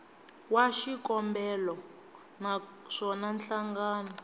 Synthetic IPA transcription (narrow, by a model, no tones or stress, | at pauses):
waʃikɔmbɛlɔ | naʂɔnanɬaŋɡaːna